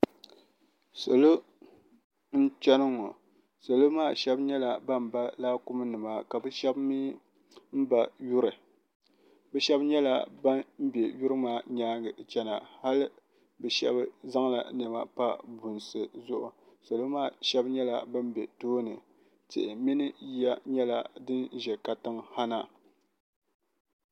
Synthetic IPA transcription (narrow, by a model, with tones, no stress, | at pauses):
so˨lo˦ | n̩˦t͡ʃɛ˦nɨ˦ŋɔ˨ | so˨lo˦maː˦˨ʃɛ˦bɲɛ˦la˨ba˦m˨ba˦laː˦kʊ˦mɨ˦nɨ˨ma˨ka˨bɨ˦ʃɛ˦bmi˦ | m̩˦ba˨ju˦ɾɨ˨ | bɛ˦ʃɛ˦bɲɛ˦la̰˨ba˦m̩˦bɛ˨ju˦ɾɨ˦maː˦ɲaː˦ɡɨ˨t͡ʃɛ˦na˨ha˦lɨ˦ | bɛ˨ʃɛ̰˦bza˦ŋ˦la̰˨nɛ˨ma̰˨pa˦bʊ˨nsɨ˨zʊ˦ʔʊ˨ | sa˨lo˦maː˦˨ʃɛ˦bɲɛ˦la˨bɨ˦m˦bɛ˨toː˦nɨ˨ | tɨ̰˨ʔɪ˨mi˦nɨ˦ja˦ɲɛ˦la̰˨dɨ˦n˦ʒɛ˨ka˨tɨ˦ŋha˦na˦